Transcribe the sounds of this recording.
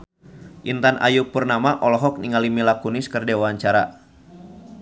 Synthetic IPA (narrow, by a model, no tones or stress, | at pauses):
ʔint̪anʔa̰jupurnamaʔɔlɔɦɔk̚niŋalimilakunɪskɨrdewaɲt͡ʃaɾa